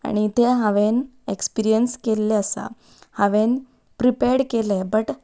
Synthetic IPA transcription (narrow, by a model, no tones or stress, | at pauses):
a̰ɽ̃it̪eɦaʋen | ekspiɾijənskelːeəsa̰ | haʋen | pɾipeɾɽkelebəʈ